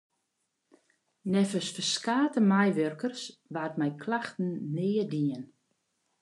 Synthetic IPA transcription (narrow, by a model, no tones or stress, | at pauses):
nɛfəsfəskaːtəmajʋørkərsʋaːtmɛjkʰlaxtn̩nɪːədiən